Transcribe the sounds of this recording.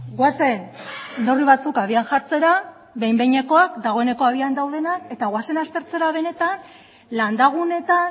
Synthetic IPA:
ɡwase̞nnd̪o̞riβ̞at͡sukaβ̞ianʝaɾt͡se̞ɾa | βe̞jmbe̞ɲe̞ko̞akd̪aɣ̞o̞e̞ne̞ko̞aβ̞iand̪awðe̞nake̞t̪aɣwase̞nast̪e̞ɾt͡se̞ɾaβ̞e̞ne̞t̪an | land̪aɣ̞une̞t̪a

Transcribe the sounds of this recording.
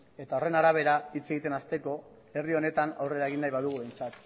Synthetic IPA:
e̞t̪ao̞re̞naɾaβ̞e̞ɾait͡se̞ɣit̪e̞nast̪e̞ko̞ | e̞rðio̞ne̞t̪ana̰wre̞ɾaeɣ̞inːajβaðuɣ̞uβe̞jnt͡sat̪

